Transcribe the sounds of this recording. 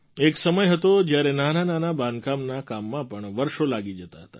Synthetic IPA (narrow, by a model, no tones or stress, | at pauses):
eksəməjɦət̪od͡ʒjaɾenanananabãnd̪kamnakamːãpəɳʋəɾʃolaɡid͡ʒət̪aɦət̪a